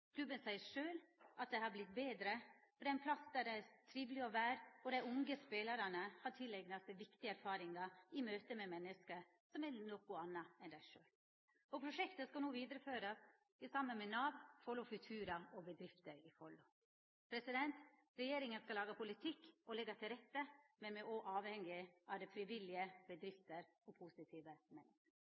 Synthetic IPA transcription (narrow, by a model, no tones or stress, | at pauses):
kʰlʉbənsæɪəɾʂøːlʔɑt̪̚d̪ɛhɑɾblɪt̪̚beːd̪ɾəfɔɖ̪ɛnpʰlɑsd̪æɖɛæɾt̪ʰɾiːʋlɪɔʋæːɾɔd̪æɪʊŋɡəspeːlɑɾɑnəhɑʈʰɪlɛɡnɑst̪əʋɪkt̪ɪæɾfɑːɾɪŋɑɪmøːt̪əmɛmɛnːəskə | sɔmɛnɔkːʊɑnːɑɛnd̪æɪʂøːl | ɔpʰɾʊʂɛkt̪əskɑlnuːʋiːd̪ɾəføːɾɑs | ɪsɑmːənmɛnɑːʋfɔlʊfʉt̪ʰʉːɾɑɔbəd̪ɾɪft̪əɾɪfɔlːʊ | pʰɾɛsɪd̪ɛnt̪ | ɾɛjeːɾɪŋənskɑlɑːɡəpʰʊlɪt̪ʰɪkːɔlɛɡːɑt̪ʰɪlɾɛt̪ːəmɛnmɛʔɔʔɑːʋhɛŋɪʔɑʋd̪ɛfɾɪʋɪlɪəbəd̪ɾɪft̪əɾɔpʰusɪt̪ʰiːʋəmɛnːəskəɾ